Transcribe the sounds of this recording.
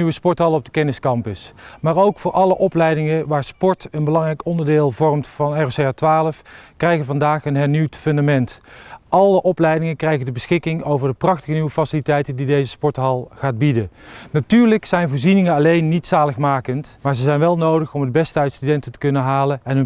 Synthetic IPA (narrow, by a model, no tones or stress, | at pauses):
yʋəspɔɹtɦɑlˠəɔb̚dəkɛnɪskɑmpəsmaːɹowkfʊːɹʔɑləʔɔplɛjdɪŋəʋaːɹspɔɹtənbəlɑŋrɛjkɔndəɹdɪːlˠvɔrmtfɑnɛroseaːtʋaːləfkrɛjɣəvɑndaːχənɦɛɹniwtfɵndamɛntʔɑlˠəʔɔplɛjdɪŋəkrɛjɣəndəbəsxɪkɪŋowvəɹdəprɑxtəɣəniwəfasilitɛjtəndidejzəspɔɹtɦɑlˠχaːd̚bidənatyːɹləksɛjnvʊːɹzinɪŋəɑlejnːitsaːləχmaːkəntmaːɹzəzɛjnʋɛlˠnowdəχɔmədəbɛstəœɥtstydɛntətə̥kɵnəɦaːlənɛnɦɵ